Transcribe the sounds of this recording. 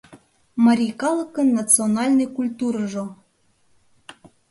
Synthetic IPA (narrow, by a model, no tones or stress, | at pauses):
mɑɾʲikɑlˠəkənːɑt͡sɨonɑlʲnəjkulʲt̪uɾəʒo